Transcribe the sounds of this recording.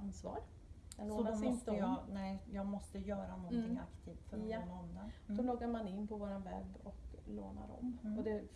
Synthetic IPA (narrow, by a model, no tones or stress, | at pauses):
ansvɑ̰ːɾː | ɔɔt̪jɑnɛːjɑːɡmɔst̪əjœːɾanɔnt̪ʰɪŋakt̪ʰiːft̪fœɾɔnd̪ad̪ɔlɔɡːaɾmanɪnːpʰɔvoːɾanvɛ̰bːɔklo̰ːna̰ɾɔ̰mɔd̪ɛ